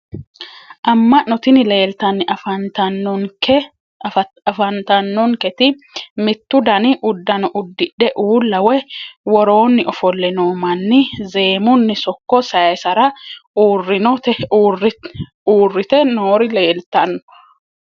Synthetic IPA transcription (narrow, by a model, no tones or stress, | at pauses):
ʔɐmːɐnɔt̪ɪnɪle̞ːlt̪ɐnːɪʔɐfɐnt̪ɐnːɔk | ɐfɐnt̪ɐnːɔŋkɛt̪ɪ | mɪt̪ːʊd̪ɐnɪʔʊd̪ːɐnɔʔʊd̪ːɪᶑɛʔuːlːɐwɛwɔɾo̞ːnːɪʔɔfɔlːɛnoːmɐnːɪze̞ːmʊnːɪsɔkːɔsɐjɛsɐɾɐuːrːɪnɔt̪ɛuːrɪ | uːrːɪt̪ɛnoːɾɪle̞ːlt̪ɐnːɔ̥